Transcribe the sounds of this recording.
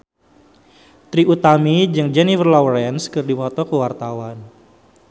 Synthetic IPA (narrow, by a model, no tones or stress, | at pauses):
t̪ɾiʔut̪amid͡ʒɨŋd͡ʒɛnifərlɔwɾɛnskɨrdiwɔt̪ɔkəwart̪awan